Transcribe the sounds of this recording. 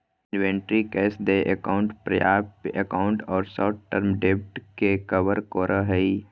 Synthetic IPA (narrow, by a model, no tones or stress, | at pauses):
ɪnʋẽːɳʈɾikɛːsd̪eʔəkaʊ̃ɳʈpɾəjaːb̚pəkaʊ̃ɳʈɔːɾsɔːʈʈəɾmɖep̚ʈkekəʋəɾkoːɾʔəɦəi